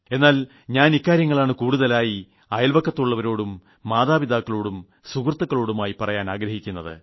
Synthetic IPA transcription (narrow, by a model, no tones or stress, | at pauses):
e̞nːaːl | ɲaːnikːaːɾjɐŋːɐɭaːɳɨkuːɽuðɐlaːji | ɐjɐlʋɐkːɐt̪ːuɭːɐʋɐɾo̞ːɽumː | aːðaːbid̪aːkːɐɭo̞ːɽum | sukrt̪ːɐkːɐɭo̞ːɽumaːjipɐrɐjaːnaːɡɾɐhikʲːunːɐðɨ̰